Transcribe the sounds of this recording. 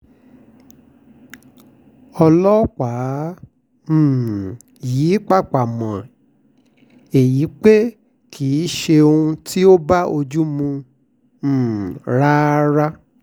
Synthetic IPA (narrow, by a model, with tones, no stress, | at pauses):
ɔ˧lɔ˦k͡pa˨˦ | m̩˨ | jiː˨˦k͡pa˦˨k͡pa˨mã˨ | e˨ji˨˦k͡pe˦ | kʰi˨˦ʃe˧o˧ũ˧tʰi˦o˦ba˦ʔo˧d͡ʒu˦mũ˧˨ | ɾa˦ɾa˦